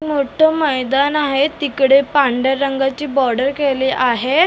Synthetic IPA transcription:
moʈʰəməjd̪anaɦet̪ikɽepaɳɖəɾːəŋɡat͡ɕiːbɔɾɖəɾkeliːʔaɦe

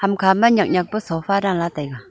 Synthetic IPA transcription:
hamkʰamaɲak̚ɲak̚pəsʰopʰaɾaŋlat̪aka

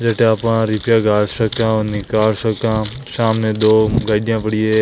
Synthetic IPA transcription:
d͡ʒeːʈẽaːpãːɾɪpjãːɡaːlsəkãːonɪkaːlsəkãː | ʃaːmnẽːd̪oːɡaːiɗjãːbəɽie

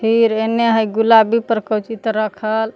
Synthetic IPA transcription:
pʰiɾenːeɦəjɡulabʱipəɾkəwt͡ʃit̪ɾəkʰəl

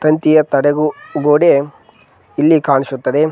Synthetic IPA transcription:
t̪ɐnt̪ijɐt̪ɐɽeɡuɡoːɽe | ilːikaːɳisut̪ːɐd̪e̞

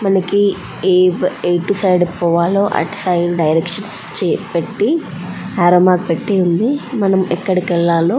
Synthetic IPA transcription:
mɐnɐki | eːbejʈusɐjɖpɔːʋaːloːʔɐ̰ʈsɐjɖɖɐjɾekʂɐns | t͡ʃɛːpeʈːi | aːɾomaːk̚peʈːeːund̪imɐnɐmɛkːɐɽikɛɭːaːloː

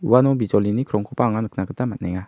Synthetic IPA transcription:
ṵwanobit͡ʃɔlinikɾɔŋkɔpaŋanəknakət̪amat̪nɛŋa

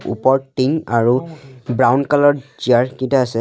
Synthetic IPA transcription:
ṵpɔɹʈiŋaɹubɹawnkalɔɹziaɹkĩtaasɛ

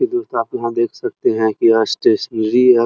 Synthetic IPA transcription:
id̪ost̪aːpjɐɦãd̪eːkʰsɐk̚t̪eɦɛ̃kiasʈeʃiɾiɛ

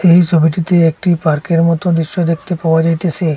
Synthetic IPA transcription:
eɦisɔbʱiʈit̪eːk̚ʈipaɾkeɾmɔt̪od̪iʃːod̪ekʰt̪epawʋad͡ʒajt̪et͡ʃʰe

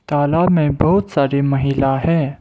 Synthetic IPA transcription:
t̪aːlaːbmẽbɐɦʊt̪saːɾemɐɦiːlaɦɛ̃ː

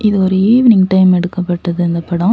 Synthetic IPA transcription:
ʔɪðɯɔɾɯiːʋɪnɪŋʈɐɪmɛɽɯkːɐpːɐʈːɐðɯɪnd̪ɐpɐɽɐ̃

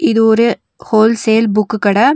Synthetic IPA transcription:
ɪðɯɔɾɯ | hoːlseːlbʊkːɯkːɐɽɐ

